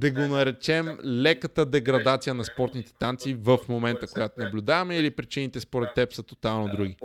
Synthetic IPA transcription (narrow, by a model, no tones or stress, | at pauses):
d̪ɐɡonɐɾɛt͡ʃɛmlɛkət̪əd̪ɛɡɾɐd̪at̪sijənɐspɔɾt̪nit̪ɛ̥t̪ant̪sivəfmomɛnt̪əkojat̪onɐblʲʊd̪avɐmɛilipɾit͡ʃinit̪ɛspoɾɛt̪ːɛpsɐt̪o̥t̪alˠnod̪ɾuɡi